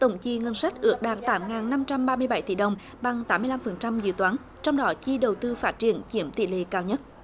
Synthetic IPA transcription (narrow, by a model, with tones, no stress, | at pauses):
t̪ə˧˩wŋ͡mt͡ɕḭ˧ŋə˧nsa˦˥k̚ʔɨ̰˧˩ək̚ɗa̰ː˨˩n̚t̪aː˨˦mŋaː˨˩nːa˧mt͡ɕa˧mɓaː˧mɨ˧əjɓa˧˩jt̪ḭ˧˨ɗə˨˩wŋ͡m | ɓa˨˩ŋt̪aː˨˦mːɨ˧əla˧mfə˨˩nt͡ɕa˧mzḭ˧˨wt̪waː˨˦n | t͡ɕɔ˧wŋ͡mɗɔ˨˦t͡ɕi˧ɗə˨˩wt̪ɨ˧faː˦˥t̚t͡ɕi˧˩ənt͡ɕi˧˩əmt̪ḭ˧˨lḛ˧˨kaː˧wɲə˦˥t̚